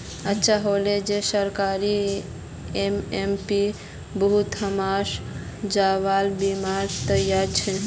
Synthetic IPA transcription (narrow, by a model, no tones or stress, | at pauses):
ətːʃʰaɦoled͡ʒesəɾkaɾi | emempi | bəɦut̪əmaʃ | d͡ʒaʋalbimaɾt̪əjaɾt͡ʃʰe